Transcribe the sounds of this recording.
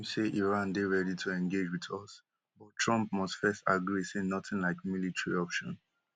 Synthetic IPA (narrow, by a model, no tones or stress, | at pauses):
seʔiɹãndeɹɛditʰuɛ̃nɡed͡ʒwiðɔs | bɔttʰɹʌ̃mp̚mɔstfɛstaɡɹisenɔtɪ̃nlaɪk̚militɹiɔpʃɔ̃n